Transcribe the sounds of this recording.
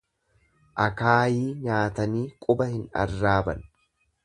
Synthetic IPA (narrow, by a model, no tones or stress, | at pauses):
ʔɐkaːjiːɲaːt̪ɐniːkʼʊbɐhɪnɐ̰rːaːbɐ̰n